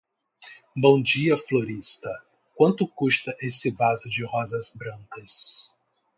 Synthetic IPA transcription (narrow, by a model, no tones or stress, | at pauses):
bõw̃d͡ʒiɐfloɾist̪ɐ | kwɐ̃nt̪ʊkuʃt̪ɐʔesɪvazʊd͡ʒɪɦɔzɐzbɾɐ̃ŋkɐs